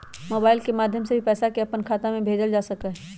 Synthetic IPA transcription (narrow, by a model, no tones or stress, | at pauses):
moːbaːɪlkemaːd̪ʱjəmsebʱipɛːsakeɐpənkʰaːt̪amẽbʱeːd͡ʒəld͡ʒaːsɐkaɦɛ